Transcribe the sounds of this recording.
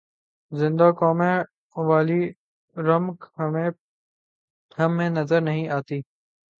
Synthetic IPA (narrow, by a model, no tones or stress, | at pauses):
zɪ̃nd̪akɔːmẽ | ʋaːli | ɾɐmkmẽ | hɐmːẽnɐzəɾnɐɦĩaːt̪iː